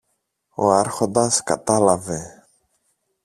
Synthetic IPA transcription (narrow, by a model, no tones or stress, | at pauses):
o̞ɐɾxo̞nd̪ɐskɐ̰t̪ɐlɐve̞